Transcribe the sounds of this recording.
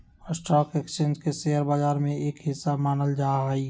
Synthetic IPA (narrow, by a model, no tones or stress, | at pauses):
ɔɾsʈɔːkekst͡ʃẽːnd͡ʒkeseɦəɾbad͡ʒaːɾmẽeːkɦɪsːamaːnəld͡ʒaːɦi